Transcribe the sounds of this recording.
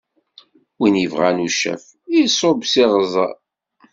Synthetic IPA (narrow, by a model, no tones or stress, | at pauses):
winjəvʁanuʃæ̰f | isˤobsiʁəzˤɑ